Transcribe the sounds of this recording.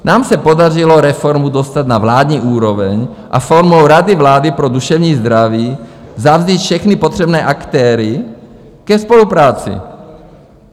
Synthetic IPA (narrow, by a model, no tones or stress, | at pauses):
naːmsɛpod̪arilɔɾɛfɔɾmud̪ɔst̪ad̪navlaːd̪ɲiːʔuːɾɔʋɛɲ | ʔa̰fɔɾmoʊɾad̪ivlaːd̪ipɾɔd̪uʃɛvɲiːzd̪ɾaʋiːzavziːc̪fʃɛxnipɔt̪r̝ɛbnɛːʔakt̪ɛːɾi | kɛspɔlupɾaːt͡sḭ